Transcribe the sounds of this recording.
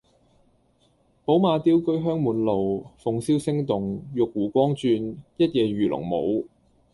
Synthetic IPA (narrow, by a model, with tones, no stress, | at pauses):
po˨˥wmaː˨˧t̪iː˥wkɵ˥ɥɦœː˥ŋmuː˨˥nlo˨wfʊ˨ŋsiː˥wsɪ˥ŋt̪ʊ˨ŋjʊ˨k̚wuː˨˩kʷɔː˥ŋt͡ʃyː˧njɐ˥t̚jɛː˨˩ɥyː˨˩lʊ̰˨˩ŋmo̰˨˧w